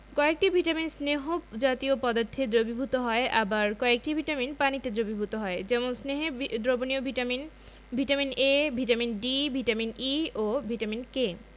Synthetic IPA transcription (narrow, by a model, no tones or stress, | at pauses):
kɔek̚ʈibʱiʈaminsneɦod͡ʑat̪iopɔd̪at̪ʰːed̪ɾobibʱut̪oɦɔeʔabaɾkɔek̚ʈibʱiʈaminpanit̪ed̪ɾobibʱut̪oɦɔed͡ʑɛmonsneɦed̪ɾoboniobʱimin | bʱiʈaminebʱiʈaminɖibʱiʈaminiobʱiʈaminke